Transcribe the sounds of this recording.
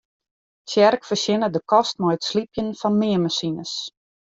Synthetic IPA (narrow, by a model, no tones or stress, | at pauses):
sjɛrkfərsɪnədəkɔst̚mɛjətslipjənfɔnmɪəmasinəs